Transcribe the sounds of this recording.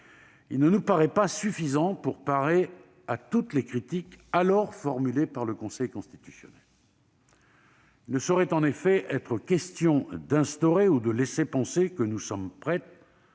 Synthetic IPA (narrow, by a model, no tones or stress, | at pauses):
ilnənupaʁɛpasyfizɑ̃puʁpaʁe | at̪ut̪lekχit̪ikalɔʁfɔʁmylepaʁləkɔ̃sɛjkɔ̃st̪i̥t̪y̥sjɔ̰nɛl | ilnəsɔʁɛt̪ɑ̃nefɛʔɛt̪χəkʲɛst̪jɔ̃d̪ɛ̃st̪ɔʁeud̪əlɛsepɑ̃sekənusɔmpχɛt̪